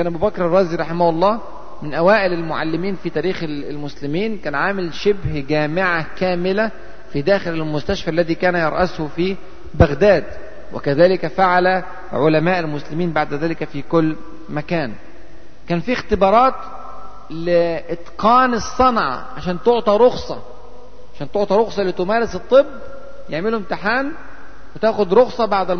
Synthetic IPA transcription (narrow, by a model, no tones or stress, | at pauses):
kæːnʔæbuːbækɾɑrˤːɑːziɾˤɑħɪmahʊlˤːɑː | mɪnʔæwæːʔɪlɪlmʊʕa̰lːɪmiːnfit̪æːɾiːx | lmʊslɪmiːnkæːnʕaːmɪlʃɪbhɡæːmɪʕakæːmɪlæ | fid̪æːxɪlɪlmʊst̪æʃfæːʔlːæðiːkæːnæjɑɾˤʔæshofiː | bæɣd̪æːd̪ | wʔɪ̰kæðæːlɪkæfaʕalæ | ʕolæmæːʔɪlmʊslɪmiːnbaʕd̪æðæːlɪkæfikʊlː | mækæːn | kæːnfiːxt̪ɪbɑːɾˤɑːt̪ | lɪʔɪt̪qɑːnɨsˤːɑnʕɑ̰ʕaʃæːnt̪oʕt̪ˤɑɾˤoxsˤɑ̰ | ʕaʃæːnt̪oʕt̪ˤɑɾˤoxsˤɑlːit̪ʊmæːɾɪsɨt̪ˤːɨbː | jeʕmɪlhʊmt̪ɪħaːn | wɪt̪æːxʊd̪ɾoxsˤɑbaʕd̪ɪl